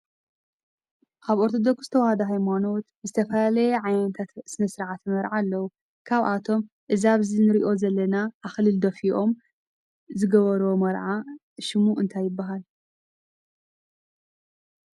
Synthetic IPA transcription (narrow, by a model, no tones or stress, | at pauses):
kʰaβo̞ɾt̪ʰo̞d̪o̞kszɨt̪ʰɐwahɐd̪ɐɦajmano̞t̪bɨzɨt̪ʰɐfɐlalɐjeʕajnnɐt̪ʰat̪sɨnɐsɨɾʕat̪mɐɾʕalːɐwu | kʰaβʔat̪ʰo̞m | ʔɨzaβzinɨɾiʔo̞zɐlːɐnaʔːxlɨld̪ɐfiʔo̞m | zɨɡɐβɐɾomɐɾʕa | ʃɪmuʔɨnt̪ʰajːɪbːaɦal